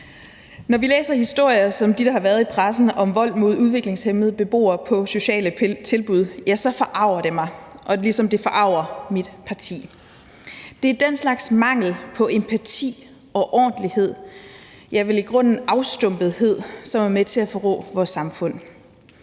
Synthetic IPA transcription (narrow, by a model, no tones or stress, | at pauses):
nɒʋilḛːsɐhisd̥o̝ɐ̰jɐsɒ̽md̥iɾ̥ɑ̈hɑ̈ʋæɐðˠipʰʁasn̩ɒ̽mʋɒ̽l̰mo̝ð̞ˠuðˠʋe̝ɡ̥le̝ŋshemð̞̩ˠb̥e̝b̥o̝̰ːɐpʰɒ̽so̝ɕɛ̰ːlət͡sʰe̝lb̥uð̞ˠjæsɒ̽fɒ̽ʔɑ̈ʊ̰ɐɾ̥e̝mɑ̈ɪʔɒ̽lisɒ̽md̥e̝fɒʔɑ̈ʊ̰ɐmid̥pʰɑ̈t͡sʰḭː | d̥e̝æɐd̥enslɑ̈ɡ̥smɑ̈ŋ̰l̩pʰɒ̽ʔe̝mpʰæt͡sʰḭː | ɒ̽ʔɒ̰ːnd̥lihe̝ð̞̰ˠ | jɑ̈ɪʋe̝liɡ̥ʁɔ̽n̰n̩ɑ̈ʊsd̥ɔmb̥ð̞̩ˠɦe̝ð̞̰ˠsɒ̽mæɐmet͡sʰe̝æfɒʁɔ̰̽ːʋɒːsːɑ̈mfɔ̽n̰